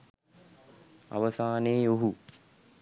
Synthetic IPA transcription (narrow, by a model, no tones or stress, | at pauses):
a̰ʋəsaːneːjoɦu